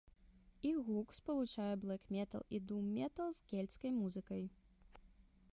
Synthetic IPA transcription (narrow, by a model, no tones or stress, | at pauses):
iɣukspɐlˠut͡ʂajɛblˠɛkmʲɛt̪ɐ̰lˠid̪umːʲɛt̪ɐlˠzkʲɛlʲt̪skɐjmuzɨkɐj